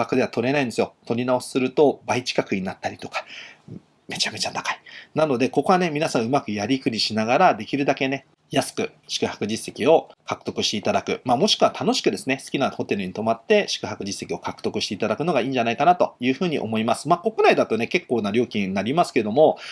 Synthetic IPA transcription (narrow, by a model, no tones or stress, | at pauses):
akɯ̟d̪e̞at̪o̞ɾe̞naĩnd̪esɨjo̞t̪o̞ɾʲinao̞sɨ̥sɨɾɯ̟t̪o̞bait͡ɕi̥kakɯ̟ɲ̟inat̪ːaɾʲit̪o̞̥kḁ | me̞t͡ɕame̞t͡ɕat̪ḁkai̥nano̞d̪e̞ko̞ko̞ane̞mʲinasãɰ̃ɯ̟makɯ̟jaɾʲikɯ̟ɾʲiɕinaɡaɾad̪e̞kʲiɾɯ̟d̪ake̞ne̞ | jasɨ̥kɯ̟̰ | ɕi̥kɯ̟hḁkɯ̟ʑisːe̞kʲio̞kakɯ̟̥t̪o̞kɯ̟ɕit̪e̞it̪ad̪akɯ̟̰maːmo̞ɕi̥kɯ̟βat̪ʰano̞ɕi̥kɯ̟d̪e̞sɨne̞sɨ̥kʲinaho̞t̪e̞ɾɯ̟ɲ̟it̪o̞mat̪ːe̞ɕi̥kɯ̟hakɯ̟ʑisːe̞kʲio̞kakɯ̟̥t̪o̞kɯ̟ɕi̥t̪e̞it̪ad̪akɯ̟no̞ɡaiːɲd͡ʑanaikanat̪o̞̰jɯ̟ːɸɯ̟ːɲ̟ḭʔo̞mo̞imasɨ̥maːko̞kɯnaid̪at̪o̞ne̞ke̞kːo̞ːnaɾʲoːkʲĩnːaɾʲimasɨ̥keed̪o̞mo̞